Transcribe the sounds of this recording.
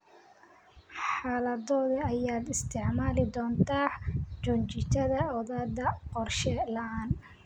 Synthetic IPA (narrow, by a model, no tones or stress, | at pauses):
ħaːlɐðɔːðɐɐjaːd̪ɪst̪ʰɪʕmaːlɪd̪ɔːnt̪ʰaːt͡ʃʊt͡ʃɪt͡ʃ̪ʰɐðɐɔðaːd̪ɐqɔrʃɛlɐʔaːn